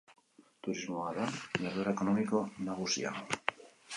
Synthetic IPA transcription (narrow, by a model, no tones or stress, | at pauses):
t̪uɾizmoaðajaɾðoɾekonomikonaɣusj̰a̰